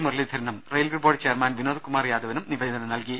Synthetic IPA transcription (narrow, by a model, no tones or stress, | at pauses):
muɾɐlid̪ʱɐɾɐnɐmrejlʋiboːɽt͡ɕeːɐrmaːnʋinoːd̪ukumaːrjaːd̪ʱɐʋɐnumniʋɐjɐnːɐnɐnɐlki